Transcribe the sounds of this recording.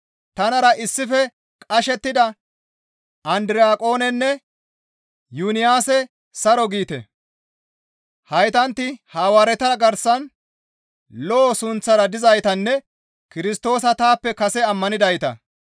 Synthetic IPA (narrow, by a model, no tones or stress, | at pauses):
t̪ɐnɐɾɐʔɪsːɪfɛ | kʼɐʃɛt̪ːɪd̪ɐ | ɐnd̪ɪɾɪaːkʼo̞ːnɛnːɛ | junɪjaːsɛ | sɐɾɔɡiːt̪ɛ̰ | hɐjt̪ɐnt̪ːɪhaːwaːɾɛt̪ɐɡɐɾsɐn | lɔʔːsʊnt͡sːɐɾɐd̪ɪzɐjt̪ɐnːɛ | kɪɾɪst̪o̞ːs̬ɐt̪aːpːɛkɐsɛɐmːɐnɪd̪ɐjt̪ɐ̰